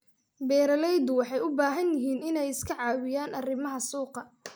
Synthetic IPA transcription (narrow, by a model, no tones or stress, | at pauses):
bɛːɾɐlɛjd̪ʊwɑħɑjʊbaːɦɐnjɪɦiːnɪnɛjɪskʰɐʕɑːwɪjaːnʔɐrɪmɐɦɐsuːqɐ